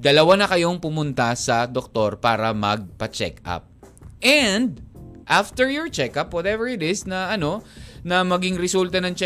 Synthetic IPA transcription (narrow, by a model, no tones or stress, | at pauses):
d̪ɐlɐwanɐkɐjo̞ŋpʊmʊnt̪asɐd̪ok̚t̪o̞ɹpaːɾɐmɐɡ̚pɐt͡ʃɛ̰ka̰p̚ | ʔɛnd̪̚ʔaft̪ɛɹjɔɹt͡ʃɛkɐpwɐt̪ɛvɛɹɪt̪ɪsnɐɐno̞nɐmɐɡɪŋɾɛsult̪ɐnɐŋt͡ʃɛ